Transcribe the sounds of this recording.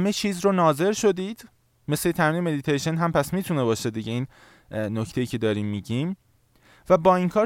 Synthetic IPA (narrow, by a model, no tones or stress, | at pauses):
me̞t͡ʃʰiːzɾonɒːze̞ɾʃo̞d̪iːd̪̥ | me̞slet̪ʰæmiːneme̞d̪it̪ʰejʃenɦæmpʰæsmiːt̪ʰune̞bɒːʃe̞d̪iɟeiːn | nocʰt̪ʰe̞jiːcʰe̞d̪ɒːɾiːmːiɟiːm | væbɒːiŋkʰɒːɾ